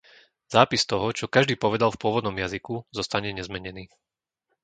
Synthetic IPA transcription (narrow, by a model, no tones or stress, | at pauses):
z̥aːpist̪ɔɦɔt͡ʃɔkaʒd̪iːpɔʋɛd̪alfpʊɔʋɔd̪nɔmjazikuzɔst̪aɲɛɲɛzmɛɲɛniː